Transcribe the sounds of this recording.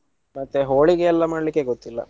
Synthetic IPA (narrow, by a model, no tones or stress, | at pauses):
mɐt̪ːeɦoːɭiɡeɛlːɐmaːɽɐlikːeɡot̪ːilːɐ̰